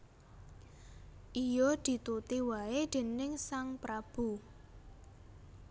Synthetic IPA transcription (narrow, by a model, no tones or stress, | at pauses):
ʔijɔd̪̥i̤t̪ut̪iwaed̪̥e̤nɪŋsaŋpɾab̥u